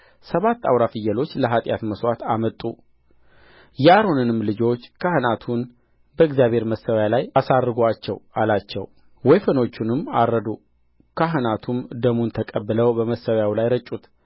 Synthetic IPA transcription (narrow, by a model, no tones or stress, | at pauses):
səβat̪ːa̰wɾafɨjːəlo̞t͡ʃːləɦat̪ʼja̰t̪məswat̪amət̪ʼu | jɛaɾonɨnɨmlɨd͡ʒo̞t͡ʃːkʰahɨnat̪ʰun | bəɨɡzjaβhe̞ɾməsːəwjalajasaɾːɨɡat͡ʃːɛwalat͡ʃːɛ̰w | wɔjfəno̞t͡ʃːunɨmːa̰ɾəd̪u | kʰaɦɨnat̪ʰumd̪əmunt̪ʰəkʼəbːɨləwbəməsːəwjawlajɾət͡ʃʼːut̪